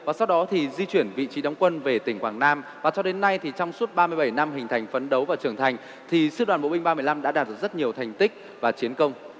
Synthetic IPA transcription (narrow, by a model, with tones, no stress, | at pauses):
vaː˨˩sa˧wɗɔ˨˦t̪ʰi˨˩zi˧t͡ɕwi˧˩ənvḭ˧˨t͡ɕi˨˦ɗa˨˦wŋ͡mkwə˧nve˨˩t̪ï˧˩ŋkwaː˧˩ŋnaː˧mvaː˨˩t͡ɕɔ˧ɗe˨˦nːa˧jt̪ʰi˨˩t͡ɕɔ˧wŋ͡msu˦˥ət̚ɓaː˧mɨ˧əjɓə˧˩jna˧mɦï˨˩ŋ̟t̪ʰa˨˩jŋ̟fə˨˦nɗə˨˦wvaː˨˩t͡ɕɨ˧˩əŋt̪ʰa˨˩jŋ̟ | t̪ʰi˨˩sɨ˧ɗwaː˨˩nɓo̰˧˨ɓï˧ŋ̟ɓaː˧mɨ˧˩əjla˧mɗa̰ː˧˥ɗaː˨˩t̚zə˦˥t̚ɲi˨˩əwt̪ʰa˨˩jŋ̟t̪ï˦˥k̚ | vaː˨˩t͡ɕi˨˦ənkə˧wŋ͡m